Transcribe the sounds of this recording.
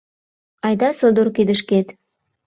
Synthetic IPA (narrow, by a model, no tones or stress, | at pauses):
ɑjd̪ɑsod̪oɾkid̪ə̆ʃket̪